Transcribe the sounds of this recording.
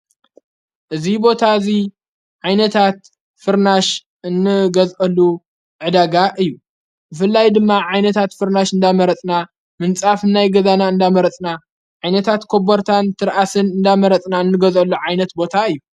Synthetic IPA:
ʔɨzibo̞t̪ʰazi | ʕajnɐt̪ʰat̪ | fɨɾnaʃ | ɨnːɨɡɐzʔɐlːu | ʕɨd̪aɡaʔɨjːu | bɨfɨlːajd̪ɨmːaʕajnɐt̪ʰat̪fɨɾnaʃɨnd̪amɐɾɐt͡sʼna | mɨnt͡sʼafnajɡɐzanaɨnd̪amɐɾɐt͡sʼna | ʕajnɐt̪ʰat̪kʰo̞boɾt̪ʰant̪ʰɨɾʔasɨnɨnd̪amɐɾɐt͡sʼnaɨnːɨɡɐzʔɐlːuʕajnɐt̪̚bo̞t̪ʰaɨjːu

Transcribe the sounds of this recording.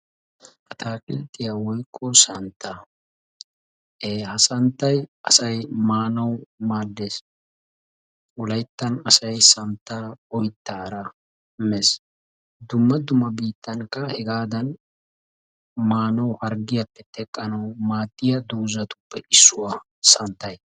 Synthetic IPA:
ʔɐt̪ʰaːkʼɪlt̪ʼːɪjawɔjkʼːɔsɐnt̪ʰːa | eːhɐsɐnt̪ːɐjʔɐsɐjmaːnɐwmaːd̪ːeːs | ʊlɐjt̪ːɐnɐsɐjsɐnt̪ːaːɔjt̪ːaːɾɐ | mɛs | d̪ʊmːɐd̪ʊmːɐbiːt̪ʰːɐŋkːɐhɛɡaːd̪ɐn | maːnɐwhɐɾɡɪjɐpːɛt̪ʰɛkʼːɐnɐwmaːt̪ʼːɪjɐd̪uːzɐt̪ʊ̥pːɛʔɪsːʊwaː | sɐnt̪ːɐj

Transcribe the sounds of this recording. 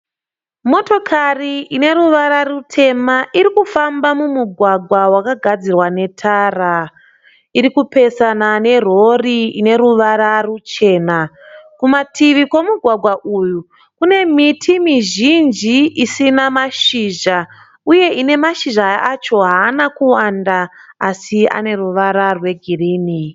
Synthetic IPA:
mo̞to̞kʰariʔine̞ɾuʋaɾarutʰe̞maʔiɾikufambamumuɡʱwaɡʱwawakaɡʱad͡zirwane̞tʰara | iɾikupe̞sanane̞ro̞riine̞ɾuʋaɾarut͡ʃe̞ːna | kumatʰiʋikwo̞muɡʱwaɡʱwaʔuːju | kune̞mitʰimiʒind͡ʒiʔisinamaʃiʒa | uje̞ine̞maʃiʒaat͡ʃo̞ɦaːnakuwandaːsia̰ne̞ruʋaɾarwe̞ɡʱiriːni

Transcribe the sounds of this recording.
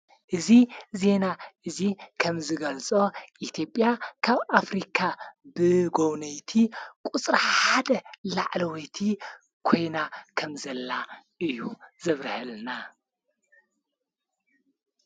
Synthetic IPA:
ʔɨzize̞naʔɨzikʰɐmzɨɡɐlt͡sʼoʔit̪ʰijo̞pʼjakʰaβʔafɾikʰabɨɡownɐjt̪ʰikʼut͡sʼɾħad̪ɐlaʕlɐwojt̪ʰi | kʰo̞jnakʰɐmzɐlːaʔɨjːuzɐβɾhɨlna

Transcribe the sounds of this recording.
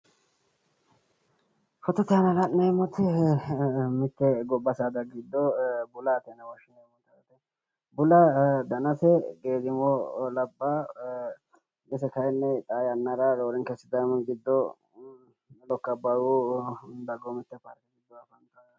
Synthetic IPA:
hɔt̪ːɛt̪ɛɐnɐlɐnːemɔt̪ɪ | mɪt̪ːɛɡɔbːɐsad̪ɐɡɪd̪ːɔbʊlaːt̪ɛnɛwɔʃɪnɛmɔt̪ːɐɐt̪ɛ | bʊlɐd̪ɐnɐsɛɡeːzɪmolɐbːa | ɡɛsɛkɐɛnːɛt̪ʼaːjɐnːɐɾɐloːɾɪŋkɛsːɪd̪ɐmɡɪd̪ːɔ | lɔkːɐbɐwu | d̪ɐɡɔmɪt̪ːɛpɐɾkɛɡɪd̪ːɔɐfɐŋkɐ

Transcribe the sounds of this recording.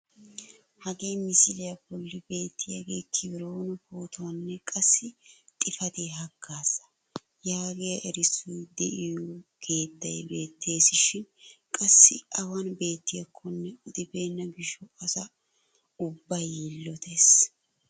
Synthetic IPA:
hɐɡeːmɪsɪlɪjɐbɔlːɪbe̞ːt̪ːɪjɐɡeːkʰɪbɪɾoːnʊhuːt̪ʰwɐnːɛkʼɐsːɪt̪ʼɪfɐd̪eːɦɐɡːaːsɐ̥ | jaːɡejɐʔɛɾɪsujd̪ɛʔɪjɔɡ̥e̞ːt̪ːɐjbe̞ːt̪ʰːe̞ːsɪʃɪnkʼɐsːɪʔɐwanbe̞ːt̪ːɪjɐkʰːɔnːɛʊd̪ɪbe̞ːnːɐɡɪʃɔkɐsɐ | ʊbːɐjilːɔt̪ʰeːs

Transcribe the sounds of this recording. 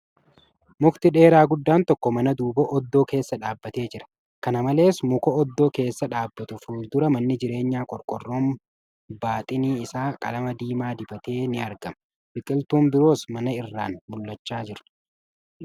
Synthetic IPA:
mʊkt̪ɪᶑe̞ːɾaːɡʊd̪ːaːnt̪ɔkːɔmɐnɐd̪uːbɔʔɔd̪ːo̞ːke̞ːsːɐᶑaːbːɐt̪e̞ːd͡ʒɪɾɐ̥ | kɐnɐmɐle̞ːsmʊkɔɔd̪ːo̞ːke̞ːsːɐᶑaːbːɐt̪ʊfuːd̪ʊɾɐmɐnːɪd͡ʒɪɾe̞ːɲːaːkʼɔɾkʼɔrːoːm | baːt̪ʼɪniːɪsaːkʼɐ̰lɐmɐd̪iːmaːd̪ɪbɐt̪e̞ːnɪɐɾɡɐmɐ | bɪkʼɪlt̪uːmbɪɾo̞ːsmɐnɐɪrːaːnmʊlːɐt͡ʃːaːd͡ʒɪɾʊ̥

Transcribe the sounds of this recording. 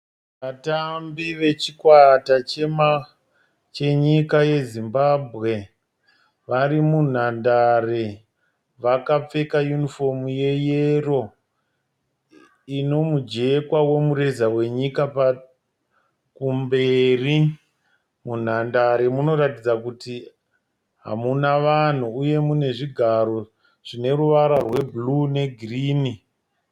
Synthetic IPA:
ʋatambiʋe̞t͡ʃikwatat͡ʃe̞ma | t͡ʃe̞ɲikaje̞zimbaːbʱɣe̞ | ʋaɾimun̤andare̞ | ʋakap͡fe̞kajunifo̞muje̞jero̞ | ino̞mud͡ʒe̞kwawe̞muɾe̞zawe̞ɲikapa | kumberi | mun̤andaɾemuno̞ɾatid͡zakuti | ɦa̰munaʋan̤uːje̞mune̞ʐiɡʱaɾo̞ | ʐ̥ine̞ruʋaɾarwe̞blune̞ɡʱriːni

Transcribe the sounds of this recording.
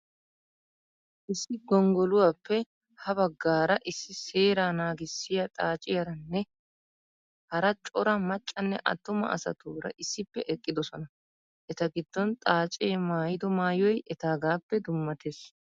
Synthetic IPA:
ʔɪsːɪɡɔŋɡɔlʊwaːpːɛ | hɐbɐɡːaːɾɐʔɪsːɪseːɾaːnaːɡɪsːɪjɐt̪ʼaːt͡ʃʼɪjɐɾɐnːɛ | hɐɾɐt͡ʃʼɔɾɐmɐt͡ʃʼːɐnːɛʔɐ̰t̪ːʊmɐ̰ʔɐ̰sɐ̰t̪uːɾɐ̰ʔɪsːɪpːɛʔɛkʼːɪd̪ɔsɔnɐ | ʔɛt̪ɐɡɪd̪̥ːɔnt̪ʼaːt͡ʃʼeːmaːjɪd̪ɔmaːjɔjʔɛt̪aːɡaːpːɛd̪ʊmːɐt̪es

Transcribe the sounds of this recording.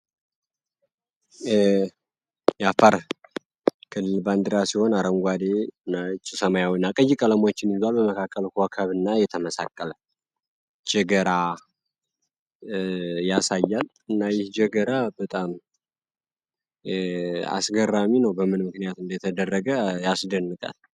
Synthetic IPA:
jafaɾ | kʰɨlːɨlband̪ɨɾasiho̞naɾəŋɡʷad̪enːat͡ʃʼːɪsəmajawinːakʼəjːikʼələmo̞t͡ʃːɪnizalbəməkʰakːəlkokʰəβɨnːajɛt̪ʰəməsa̰kʼːələ | d͡ʒɛɡəɾa | jasajːal | ɨnːajɪhd͡ʒɛɡəɾabət̪ʼam | a̰sɡərːaminəwbəmɨnmɨknijat̪ɨnd̪ət̪ʰəd̪ərːəɡəjasd̪ənːɨkʼa̰l

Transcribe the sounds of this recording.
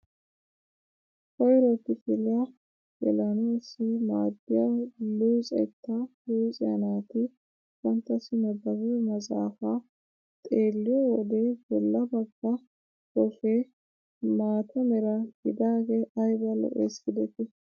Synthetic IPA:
kɔjɾɔt̪ːɪfɪlɪɐ | ʔɛlɐnuɪsːɪmaːd̪ːɪjaluːsʼɛ̰t̪ːɐhuːt͡sʼɪjɐnaːt̪ɪ | kɐnt̪ːɐsɪnɐb̪ɐwumɐzaːfa | t̪ʼeːlːɪjɔwɔd̪ejbɛlːɐbɐɡːɐ | kɔfeː | maːt̪ʰɔmɛɾɐɡɪd̪aːɡɛɐjbɐlɔ̰ʔḛːskɪd̪ɛt̪ɪ

